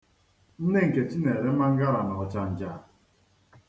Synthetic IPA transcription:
n̩˦ne˦ŋ̩˨ke˨t͡ʃi˦ne˨ɾe˦ma˦ŋ̩˦ɡa˦ɾa˨nɔ˨ɦɔ˨t͡ʃa˨n̩˨d͡ʒa˨

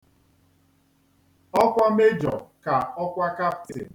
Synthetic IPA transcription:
ɔ˦kʷa˦me˦d͡ʒɔ̰˨ka˨ɔ˦kʷa˦ka˦ptḛ˨

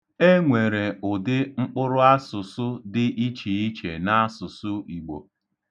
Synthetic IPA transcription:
e˦ŋʷe˨ɾe˨ʊ˨dɪ˦ŋ͡m̩˦k͡pʊ˦ɾʊ˦a˦sʊ˨sʊ˦dɪ˦ʔi˦t͡ʃi˨i˦t͡ʃe˨na˦sʊ˨sʊ˦i˨ɡ͡bo̰˨

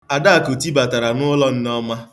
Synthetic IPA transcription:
a˨da˦a˨ko˨ti˦ba˨ta˨ɾa˨nʊ˦lɔ˦n̩˦nɔ˦ma˦

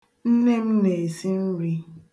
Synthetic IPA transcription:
n̩˦ne˦m̩˦ne˨e˨si˦n̩˦ɾi˦

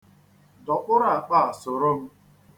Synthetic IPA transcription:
dɔ˨k͡pʊ˦ɾa˦˨k͡pa˦˨a˨sʊ˨ɾʊ˦m̩˦

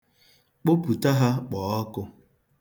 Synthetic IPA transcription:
k͡po˦pu˨ta˦ɦa˦k͡pɔː˨˦ɔ˦kʊ˦

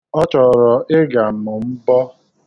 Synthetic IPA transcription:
ɔ˦t͡ʃɔ˨ɾɔ˨ʔɪ˦ɡa˨m̩˨mʊ˨m̩˦bɔ˦

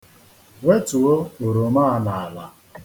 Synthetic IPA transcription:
we˦tu˨o˦o˨ɾo˨ma˦a˦na˨a˨la˨

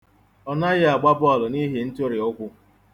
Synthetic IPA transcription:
ɔ˦na˦ɣɪ˦a˨ɡ͡ba˦bɔ˨lʊ˨ni˦ɦe˨n̩˦to˦ɾɪ˨ʊ˦kʷʊ˦

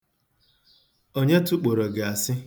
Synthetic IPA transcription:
o˦ɲe˦tu˦k͡po˨ɾo˨ɡa˨a˨sɪ˦

